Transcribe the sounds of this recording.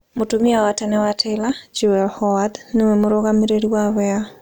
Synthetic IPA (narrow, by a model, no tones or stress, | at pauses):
mʊtumiawatanɛwatʰɪlad͡ʒuɛlhɔwadnewemoɾoɣamiɾeɾiwaβɛa